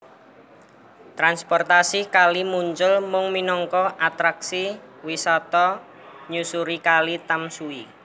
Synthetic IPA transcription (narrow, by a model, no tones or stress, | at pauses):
t̪ɾanspɔrt̪asikalimuɲt͡ʃʊlmʊŋminɔŋkɔʔat̪ɾaksiwisɔt̪ɔ | ɲusuɾikalit̪amsui